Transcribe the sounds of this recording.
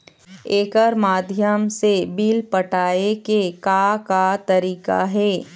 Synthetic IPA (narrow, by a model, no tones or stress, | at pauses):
eːkəɾmaːd̪ʱjəmsebiːlpəʈaːekekakat̪ɐɾiːka̰ɦɛː